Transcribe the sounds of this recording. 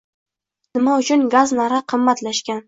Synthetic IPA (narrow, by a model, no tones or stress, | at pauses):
nɪmaʊt͡ʃʰʊnɡaznaɾaqʰɨmːat̪laʃkʲan